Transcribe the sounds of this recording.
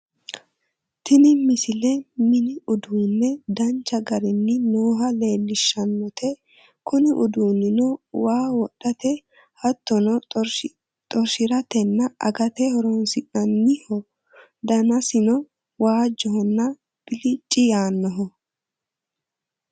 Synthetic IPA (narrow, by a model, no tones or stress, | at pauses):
t̪ɪnɪmɪsɪlɛmɪnɪʊd̪uːnːɛd̪ɐnt͡ʃːɐɡɐɾɪnːɪnoːɦɐle̞ːlːɪʃːɐnːɔt̪ʰɛ | kʊnɪʔʊd̪uːnːɪnɔwaːwɔɗːɐt̪ɛ | hɐt̪ːɔnɔ | t̪ʼɔɾʃɪɾɐt̪ɛnːɐʔɐ̰ɡɐt̪ɛhɔɾɔnsɪʔɐnːɪhɔ | d̪ɐnɐsɪnɔ | waːd͡ʒːɔhɔnːɐ | b̥ɪlɪt͡ʃʼːɪjaːnːɔɦɔ